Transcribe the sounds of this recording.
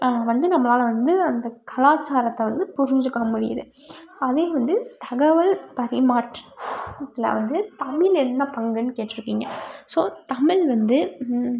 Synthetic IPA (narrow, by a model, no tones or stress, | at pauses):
ʋɐnd̪ɯnɐmːɐlaːlʋɐnd̪ɯɐnd̪ɐkʰɐlaːt͡ʃːaːɾɐt̪ːɐʋɐnd̪ɯpʊɾɪɲd͡ʒɯkːɐmʊɽɪjɐ̰ðɯ̰ | ɐðeːʋɐnd̪ɯt̪ɐɣɐʋɐlpɐɾɪmaːʈ | ɪlɐ̰ʋɐnd̪ɯt̪ɐmɪlɛnːɐpɐŋɡɐnːɯkeːʈːɪɾɯkːiːŋɡɐsoːt̪ɐmɪlʋɐnd̪ɯ